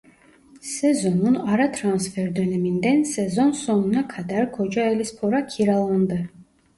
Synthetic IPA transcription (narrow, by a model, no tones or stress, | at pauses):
sɛzo̞nunaɾat̪ʰɾansfeɾd̪ø̞nɛmind̪ænsɛzo̞nso̞nunakʰad̪aɾkʰo̞d͡ʒaelʲispʰoɾakʲʰiɾalˠand̪ɯ